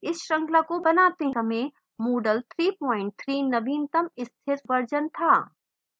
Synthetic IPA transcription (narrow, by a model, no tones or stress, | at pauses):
ɪsɾə̃ŋɡlakobənat̪ẽɦəmẽ | moːɖəlt̪ʰɾiːpɔːɪ̃ɳʈ̚t̪ʰɾinəbiːnt̪əmɪst̪ʰɪɾʋəɾd͡ʒənt̪ʰa